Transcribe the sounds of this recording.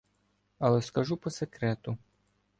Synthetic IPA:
ɐlˠɛskɐʒupɔsekɾɛt̪ʊ

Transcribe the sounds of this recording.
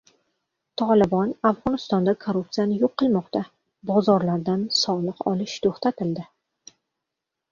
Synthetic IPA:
t̪ʰɒlˠɪbɒnafʁɒnɪst̪ɒnd̪akʰoɾupt̪sɨjanɪjoqːɨlˠmɒqt̪ʰa | bɒzɒɾlaɾd̪ansɒlˠɨqɒlɪʃt̪ʰoχt̪ʰat̪ʰɪld̪ɪ

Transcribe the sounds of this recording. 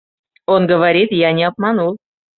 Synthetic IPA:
onɡəvaɾʲit̪janʲɪap̚mɑnulˠ

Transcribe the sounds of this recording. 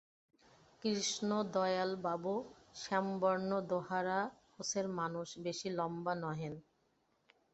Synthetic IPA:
kɾiʃnod̪ɔjalbabuʃɛmbɔɾnod̪oɦaɾakoseɾmanuʃbeʃilɔmbanɔɦen

